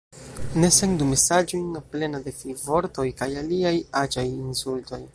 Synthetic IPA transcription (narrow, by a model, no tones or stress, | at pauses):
ne̞seŋdumesad͡ʒojnaple̞nade̞fivo̞ɾto̞jkajaliajad͡ʒajinsulto̞j